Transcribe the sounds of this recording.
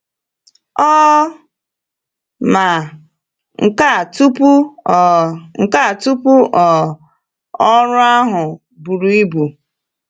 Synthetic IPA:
ɔ˦ | ma˨ | ŋ̩˨ka˦˨tu˦pu˦˨ | ŋ̩˨ka˦˨tu˦pu˦ʔɔ˨ | ɔ˦ɾʊ˦a˦ɦʊ˨ | bu˨ɾu˨i˦bu˨

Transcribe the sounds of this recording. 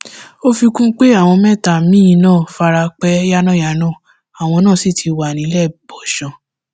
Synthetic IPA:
o˦fi˧kũ˦k͡pe˦a˦˨w̃ɔ̃˧mɛ̃˦˨ta˨mĩ˦j̃nãː˦˨fa˧ɾa˧k͡pɛ˦ja˦nã˦˨ja˨nãː˦˨ | a˨w̃ɔ̃˧nãː˦˨si˦˨tʰi˨˧wa˨nĩ˨˦lɛ˦˨bɔ˨ʃɔ̃˨˧

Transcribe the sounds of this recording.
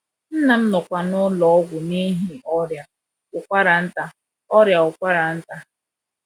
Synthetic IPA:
n̩˦na˨m̩˦nɔ˨kʷa˨nʊ˦lɔ˨ɔ˦ɡʷʊ˨ni˦ɦi˨ʔɔ˦ɾja˨ | ʊ˨kʷa˦ɾa˨n̩˦ta˦ | ɔ˦ɾja˨ʊ˨kʷa˦ɾa˨n̩˦ta˦

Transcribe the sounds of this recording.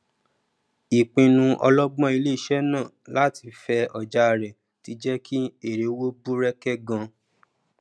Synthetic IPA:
i˨k͡pĩ˧nũ˧ʔɔ̰˧lɔ˦ɡ͡bɔ̃˦i˧le˦i˨ʃɛ˦nãː˦˨la˦ti˧˦fɛ˧ɔ˨d͡ʒa˨˦˨ɾɛ˨ | ti˧d͡ʒɛ˦ki˦e˦˨ɾe˨˦wo˦bu˦ɾɛ˦kɛ˦ɡã˧

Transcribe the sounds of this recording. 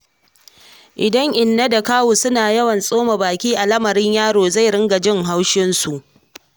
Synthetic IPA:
ʔɪ˨dɐ˦ŋʔɪ˨nːɐ˦da˨kaː˦woː˨sʊ˦naː˨jɐ˦wɐ˨nsʼoː˦ma˨baː˨kʲiː˦ʔa˨lɐ˦mɐ˨ɾɪ˦ɲjaː˦ɽoː˨za˦˨jɽɪ˦ŋɡa˨d͡ʒɪ˦ŋɦa˦wʃɪ˦nsu˨ʔ

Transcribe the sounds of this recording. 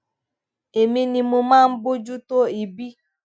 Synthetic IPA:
e˨mi˦ni˨mu˧maː˦˨m̩˦bʊ˦d͡ʒu˦to˦i˨bi˦

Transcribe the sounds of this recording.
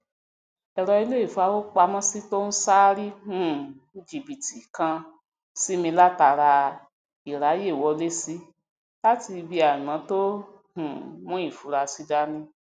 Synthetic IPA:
ɛ˧˨ɾɔ˧i˧le˦i˦˨fa˧˦wo˦k͡pa˧mã˦si˦to˦n̩˦saː˦ɾi˦hũ˦˨˦ | d͡ʒi˨bi˨ti˨kã˧ | si˦mĩ˧la˦ta˧ɾa˧ | i˨ɾa˨˦je˦˨wɔ˧le˦si˦ | la˦ti˧bi˧a˨ɾĩ˨mã˨˦to˦ | hũ˨mũ˦i˦˨fu˨˦ɾa˧si˦da˦nĩ˦

